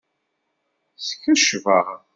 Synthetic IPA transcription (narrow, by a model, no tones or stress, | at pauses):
sçəʃvəʁ